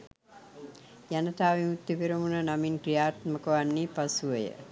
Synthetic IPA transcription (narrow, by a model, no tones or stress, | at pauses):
janət̪aːʋimut̪ːipiɾəmunənaminkɾijaːt̪məkəʋanːipasuʋəjə̰